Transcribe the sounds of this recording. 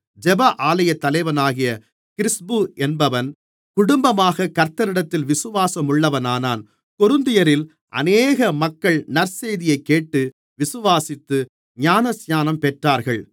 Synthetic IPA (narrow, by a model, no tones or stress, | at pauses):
d͡ʒɛbɐʔaːlɐjɐt̪ːɐlɐɪʋɐnaːɣɪjɐ | kɪɾɪsbɯʔɛnbɐʋɐn | kʊɽʊmbɐmaːɣɐkɐɾt̪ːɐɾɪɽɐt̪ːɪlʋɪsɯʋaːsɐmʊɭːɐʋɐnaːnaːn | kɔɾɯnd̪ɪjɐɾɪl | ʔɐ̰neːɣɐmɐkːɐɭnɐɾseːðɪjɐɪkːeːʈːɯ | ʋɪsɯʋaːsɪt̪ːɯ | ɲaːnɐsjaːnɐmpɛʈraːɾɣɐɭ